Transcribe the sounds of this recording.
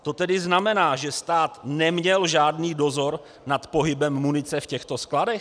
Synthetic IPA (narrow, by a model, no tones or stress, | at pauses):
t̪o̞t̪ɛdɪznamɛnaːʒɛst̪aːt̪nɛmɲɛlʒaːdniːdo̞zo̞ɾ | nat̪po̞ɦɪbɛmːunɪt͡sɛfcɛxt̪o̞skladɛx